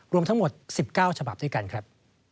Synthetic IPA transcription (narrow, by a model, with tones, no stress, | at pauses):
ɾu˧əmt̪ʰa˦˥ŋmo˨˩t̪̚si˨˩p̚kaː˥˩wt͡ɕʰa˧ba˨˩p̚d̪u˥˩ka˧nkʰɾa˦˥p̚